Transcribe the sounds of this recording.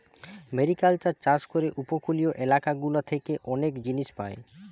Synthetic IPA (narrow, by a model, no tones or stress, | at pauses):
meɾikaltat͡ɕaʃkoɾeʔupokulioʔelakaɡulot̪ʰekeʔɔnekd͡ʑiniʃpaḛ